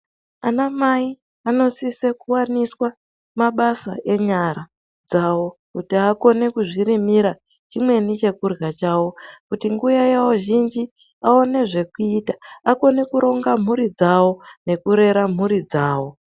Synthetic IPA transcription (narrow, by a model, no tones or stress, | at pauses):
anamai | ano̞sise̞kuwaniswa | maɓasa̰ʔe̞ɲaɾa | d͡zawo̞kutiako̞ne̞kuʐiɾimiɾa | t͡ʃimwe̞nit͡ʃe̞kurɣat͡ʃawo̞kutiŋɡujajawo̞ʒind͡ʒi | ao̞ne̞ʐe̞kuitaako̞ne̞kuɾo̞ŋɡam̤uɾid͡zawo̞ne̞kuɾe̞ɾam̤uɾid͡zaːwo̞